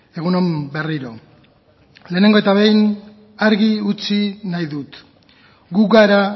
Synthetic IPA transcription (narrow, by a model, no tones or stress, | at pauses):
e̞ɣ̞uno̞mbe̞riɾo̞ | le̞ːne̞ŋɡoe̞t̪aβe̞jn | aɾɣiut͡sinajðut̪ | ɡuɡaɾa